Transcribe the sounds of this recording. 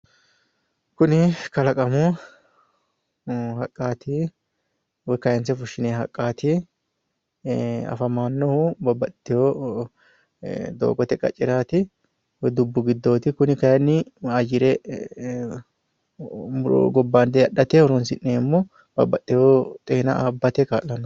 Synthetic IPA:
kʊnɪkɐlɐkʼɐmɔ | hɐkʼːaːt̪ʰi | wɔjkɐjɐnsɛfʊʃːɪneːɦɐkʼːaːt̪ɪ | ɐ̰fɐmaːnːɔhʊbɐbːɐt̪ʼːɪjoː | d̪o̰ːɡɔt̪ɛkʼɐt͡ʃʼːɪɾaːt̪ɪ | wɔd̪ʊbːʊɡɪd̪ːo̞ːt̪ɪkʊnɪkɐjɐnːɪad͡ʒɪɾɛ | mʊɾo̰ɡɔbːaːnd̪ɛɐɗːɐt̪ɛhɔɾɔnsɪnːeːmːɔ | bɐ̰bːɐt̪ʼːɪjoːt̪ʼɛːnɐ̰aːbːɐt̪ɛkaːʔːɐnːɔ

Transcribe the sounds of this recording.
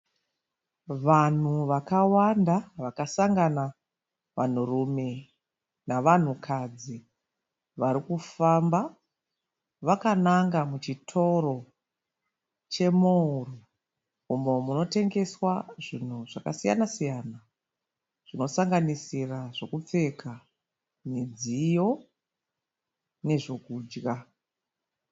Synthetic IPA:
ʋan̤uʋakawandaʋakasaŋɡana | ʋa̰n̤urume̞ | naʋan̤ukʰad͡zi | ʋaɾikufamba | ʋakanaŋɡamut͡ʃitʰo̞ro̞ | t͡ʃe̞mouru | umo̞muno̞te̞ŋɡe̞swaʐin̤uʐakasija̰nasijaːna | ʐ̥ino̞saŋɡanisiraʐo̞kup͡fe̞kʰa | ned͡zijo̞ | ne̞ʐo̞kuːd͡ʒɣa

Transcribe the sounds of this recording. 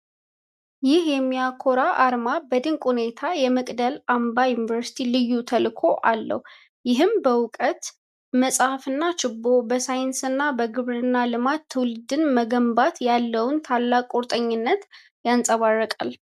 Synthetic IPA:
jɪhjɛmːijakʰːo̞ɾaʔaɾmabəd̪ɨŋkʼhune̞t̪ʰajɛmɨkʼd̪əlambajunivəɾsi̥t̪ʰilɨjːut̪ʰəlkʰo̞ʔalːə̰h | jɪɦɨmbəwʊkʼət̪ | məsʼafɨnːat͡ʃɪbːobəsajɪnsɨnːabəɡɨβɾɨnːalɨmat̪ʰːɨwlɨd̪ɨnməɡəmbat̪jalːəwʊnt̪ʰalːakʼoɾt̪ʼəɲːɪnːət̪ | jansʼəβarːəkʼa̰l

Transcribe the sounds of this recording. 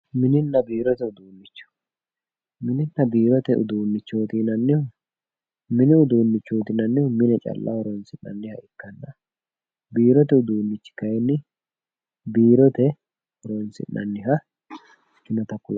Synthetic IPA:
mɪnɪnːɐbiːɾɔt̪ɛʊd̪uːnːɪt͡ʃːʊ̥ | mɪnɪnːɐbiːɾɔt̪ɛʔʊ̰d̪uːnːɪt͡ʃːoːt̪iːnɐnːɪhʊ | mɪnɪʊd̪uːnːɪt͡ʃːoːt̪ɪnɐnːɪhʊmɪnɛt͡ʃʼɐ̰lːɐ̰hɔɾɔnsɪnːɐ̰nːɪhɐɪkːɐnːɐ | biːɾɔt̪ɛʊd̪uːnːɪt͡ʃːɪ̥kɐjɛnːɪ | biːɾɔt̪ɛ | hɔɾɔnsɪ̰nʔɐ̰nːɪɦɐ | t͡ʃːɪnɐt̪ɐkʊlɐ

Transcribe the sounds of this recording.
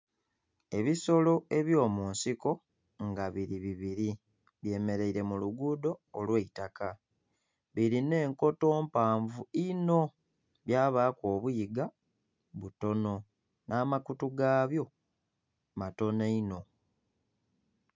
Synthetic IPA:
e̞βiso̞lo̞e̞βjo̞ːmuːnsiko̞ | ŋɡaβiɾiβiβiɾi | βje̞ːme̞ɾe̞iɾe̞muluɡuːdo̞ːlweitaka | βiɾine̞ːŋko̞to̞ːmpaːɱvuino̞ | βjaːβaːkwo̞ːβujiɡa | βuto̞no̞ | nʔaːmakutuɡaːβjo̞ | mato̞neino̞

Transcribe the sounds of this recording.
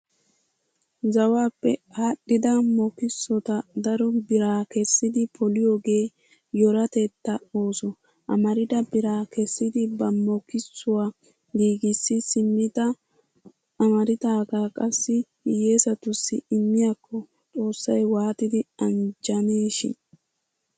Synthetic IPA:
zɐwaːpːɛaːɗːɪd̪ɐmɔkɪsːɔt̪ɐd̪ɐɾɔbɪɾaːkɛsːɪd̪ɪpʰɔlɪjoːɡe̞ː | jɔɾɐt̪et̪ːɐo̞ːsɔ | ʔɐmɐɾɪd̪ɐbɪɾaːkɛsːɪd̪ɪbɐmɔkɪsːʊwaː | ɡiːɡɪsːɪsɪmːɪt̪ɐ | ɐmɐɾɪt̪aːɡakʼɐsːɪ | je̞ːsɐt̪ʊsːɪɪmːɪjakʰːɔ | t̪ʼo̞ːsːɐjwaːt̪ɪd̪ɪɐnd͡ʒɐneːʃɪ̰n

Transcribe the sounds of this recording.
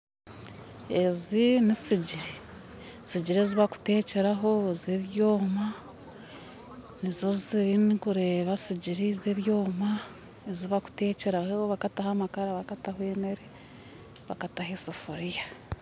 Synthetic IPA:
e̞zinisiɟiɾi | siɟiɾeziβaku̥te̞ːce̞ɾaɦo̞zeβjoːma | nizo̞ziɾinikuɾe̞ːβasiɟiɾize̞βjoːma | eziβaku̥te̞ːce̞ɾahoβakatahamakaɾaβakatahweːmeɾe | βakataɦesifoɾija

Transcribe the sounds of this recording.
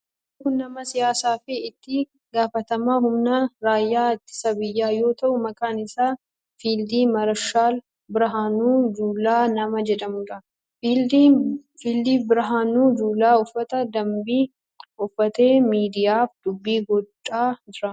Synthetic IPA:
tuːnɐmɐsɪjaːsaːfɪɪt̪ːɪ | ɡaːfɐt̪ɐmaːhʊmnɐɾaːjːaːt̪ːɪ̥sɐbɪjːaːjo̞ːt̪ɐʔʊmɐkaːnɪsaː | fiːld̪iːmɐɾɐʃaːl | bɪɾɐɦaːnuːd͡ʒuːlaːnɐmɐd͡ʒɛd̪ɐmɡɐ | fiːld̪iːfbɪɾɐɦaːnuːd͡ʒuːlaːɔfːɐt̪ɐd̪ɐmbiː | ʊfːɐt̪eːmiːd̪ɪjaːfd̪̥ʊbːiːɡɔt͡ʃʼːaːd͡ʒɪɾɐ

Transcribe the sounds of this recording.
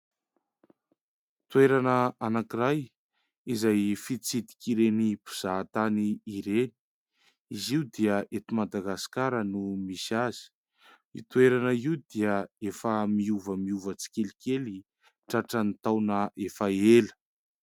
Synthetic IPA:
t̪ueɾanəanakiɾaj | izajfit͡sid̪i̥kiɾenipu̥z̥aːt̪aniːɾeni̥ | iziwd̪iəʔet̪umad̪aɡasi̥kaɾənumisazi̥ | it̪uweɾanəiud̪iəefəmiuvəmiuvət͡si̥kʲelikeli | ʈ͡ʂaʈ͡ʂanit̪awnəʔefaelə̥

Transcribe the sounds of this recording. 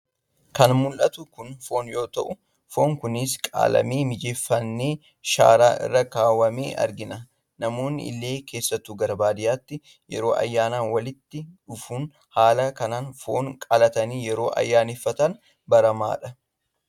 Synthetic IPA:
kɐnmʊlʔɐt̪ʊkʊnfo̞ːnjo̞ːt̪ɐʔʊ | fo̞ːŋkʊnɪskʼa̰ːlɐ̰meːmɪd͡ʒeːfːɐnːeː | ʃa̰ːɾaːʔɪ̰rːɐkaːwɐmḛːʔɐ̰ɾɡɪnɐ | nɐmo̞ːnːɪ̰ɪ̰lːe̞ːke̞ːsːɐt̪ːuːɡɐɾɐbaːd̪ɪjaːt̪ːɪ | jɛɾo̞ːʔɐ̰jːaːnaːnwɐlɪt̪ːɪʊfuːn | haːlɐkɐnaːnfo̞̰ːŋkʼɐlɐt̪ɐniːjɛɾo̞ːʔɐ̰jːaːnifːɐt̪ɐn | bɐɾɐma̰ːᶑɐ

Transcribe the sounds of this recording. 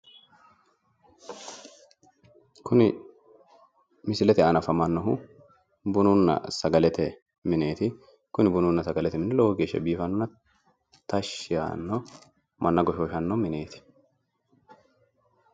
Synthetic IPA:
kʊnɪ | mɪsɪlɛt̪ɛɐnɐfɐmɐnːɔɦʊ | bʊnʊnːɐ̰sɐɡɐlɛt̪ɛ | mɪne̞ːt̪ɪ | kʊnɪbʊnʊnːɐsɐɡɐlɛt̪ɛmɪnːɛlɔwɔɡeːʃːɛ̰biːfɐnːʊnːɐ | t̪ɐʃːɪja̰nːɔ | mɐnːɐɡɔʃoːʃɐnːɔmɪne̞ːt̪ɪ̥

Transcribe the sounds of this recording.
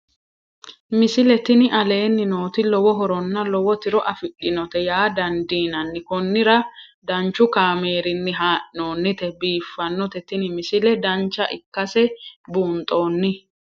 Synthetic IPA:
mɪsɪlɛt̪ɪnɪʔɐle̞ːnːɪno̞ːt̪ɪlɔwɔɦɔɾɔnːɐlɔwɔt̪ɪɾɔʔɐfɪɗɪnɔt̪ɛjaːd̪ɐnd̪iːnɐnːɪkɔnːɪɾɐ | d̪ɐnt͡ʃːʊkaːme̞ːɾɪnːɪɦaːʔno̞ːnːɪt̪ɛbiːfːɐnːɔt̪ɛt̪ɪnɪmɪsɪlɛd̪ɐnt͡ʃːɐʔɪkːɐsɛbuːnt̪ʼo̞ːnːɪ

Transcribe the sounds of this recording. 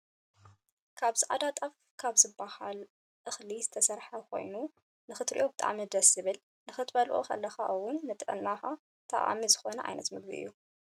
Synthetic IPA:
kʰaβzɨʔa̰d̪at̪ʼaf | kʰaβzɨbːahal | ʔɨxlizɨt̪ʰɐsɐɾħɐkʰo̞̰jnu | nɨxɨt̪ɾḭʔo̞bɨt̪ʼa̰ʕmid̪ɐsɨβɨl | nɨxɨt̪bɐlʔo̰kʰɐ̰lːɐxaʔɨwʊnːɨt̪ʼɨʔɨnːaxa | t̪ʰɐ̰ʔʼa̰mizɨxonɐʔʕa̰jnɐt̪mɨɡ̚bḭʔɨ̰jːu

